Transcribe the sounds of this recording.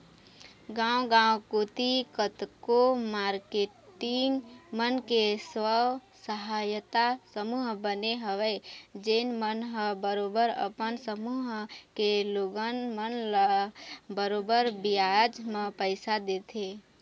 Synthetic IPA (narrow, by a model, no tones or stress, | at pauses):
ɡãːwɡãːwkoːt̪ikət̪komaːɾkeːʈɪŋɡmənkeswəw | səɦaːjət̪asəmuːɦbəneɦəʋed͡ʒenmənɦəbəɾoːbəɾə̰pənsəmuːɦkeloɡənmənl | bəɾobəɾbijad͡ʒmə̃pəɪsad̪eːt̪ʰeː